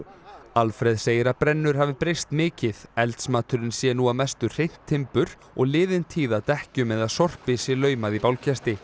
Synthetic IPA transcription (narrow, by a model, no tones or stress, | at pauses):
alfɾɛðseːjɪɾapɾɛnːʏɾ̥haːvɪpɾejst̪mɪːcɪðɛlt̪smaːt̪ʏɾɪnsjɛnuavmɛst̪ʏ̥r̥ejn̥t̪ʰːɪmpʏɾ | ɔ̰ɣlɪːðɪnt̪ʰiːðat̪ɛhcʏmɛðaðsɔr̥pɪsɪlœːɥmaðipawlcʰɛst̪ɪ